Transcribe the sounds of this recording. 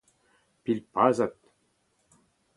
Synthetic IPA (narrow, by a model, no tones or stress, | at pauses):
pilʲpazat̪̚